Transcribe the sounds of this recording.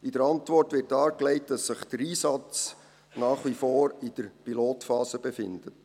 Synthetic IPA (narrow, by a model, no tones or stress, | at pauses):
idəɾɑntvɔrtʋɪrtɑːɾklɛɪtd̥ɑsːɪχd̥əɾiːsɑt͡s | nɑːχʋifoːɾid̥əɾpiloːtfɑːsəbefɪ̰ndət